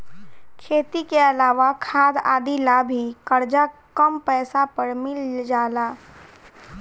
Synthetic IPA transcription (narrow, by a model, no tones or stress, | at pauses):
kʰeːt̪ikeəlaːʋakʰaːd̪a̰ːd̪ilabʱikəɾd͡ʒakəmpɛːsapəɾmɪld͡ʒaːlaː